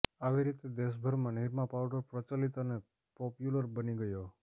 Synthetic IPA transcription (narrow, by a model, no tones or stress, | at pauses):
aʋiɾit̪ed̪eʃ̬bʱəɾmãniɾmãpawɖəɾpɾət͡ʃalit̪əne | pɔpjuləɾbəniɡəjo